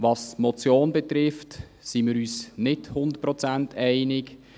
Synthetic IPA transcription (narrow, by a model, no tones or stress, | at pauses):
vɑsmɔt͡sjoːnbɛt̪ɾɪft | simɪːɾyːsnɪthʊnd̪ət̚pɾɔt͡sæntɛɪnɪk